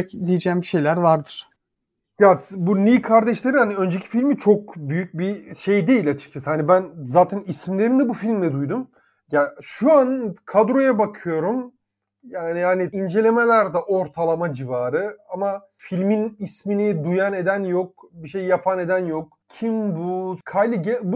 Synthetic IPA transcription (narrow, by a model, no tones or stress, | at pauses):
ɛcd̪ijed͡ʒɛːmbiʃe̞jlʲæɾvaɾd̪ɯɾ̥ | ɡ̥abuniːkʰaɾd̪ɛʃlʲe̞ɾihaniø̞nd͡ʒecʰi̥filʲmit͡ʃʰo̞k̚byjyc̚biʃe̞jd̪e̞jilʲat͡ʃʰɯ̥k̚t͡ʃʰasɯhanibænzaːt̪ʰɛnismlʲe̞ɾind̪ɛbufilʲmlʲɛd̪ujd̪um | jaʃuankʰad̪ɾo̞jabakʰɯjo̞ɾum | jaːnihaniind͡ʒe̞lʲe̞me̞lʲæɾd̪ɛʔo̞ɾt̪ʰalˠamad͡ʒivaːɾɯama | filʲminisminid̪ujane̞d̪ænjok̚biʃe̞jjapʰane̞d̪ænjok̚ | cʰimbukʰajlʲiɟɛb